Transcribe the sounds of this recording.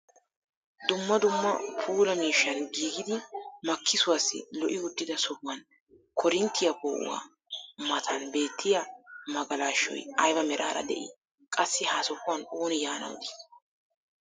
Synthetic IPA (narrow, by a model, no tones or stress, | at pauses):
d̪ʊmːɐd̪ʊmːɐpʰuːɾɐmiːʃːɐnɡiːɡɪd̪ɪmɐkʰːɪsʊwaːsːɪ̰lɔʔɪʊd̪ːɪd̪ɐsɔbʊwɐn | kʰɔɾɪnt̪ːɪjɐko̰ːʔʊ̰wa̰ː | mɐt̪ʰɐnbe̞ːt̪ʰːɪjɐmɐɡɐlaːʃːɔ̰jɐjbɐmɛɾa̰ːɾɐ̰d̪ɛ̰ʔɪ̰ | kʼɐsːɪhaːsɔkːʊwɐnoːnɪjaːnɐ̰w̰d̪ɪ̥